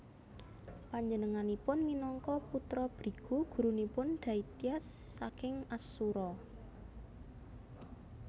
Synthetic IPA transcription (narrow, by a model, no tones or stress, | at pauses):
paɲd͡ʒənəŋanipʊnminɔŋkɔput̪ɾɔb̥ɾi̤ɡ̥uɡ̥ṳɾunipʊnɖ̥ä̤it̪iasːakɪŋasuɾɔ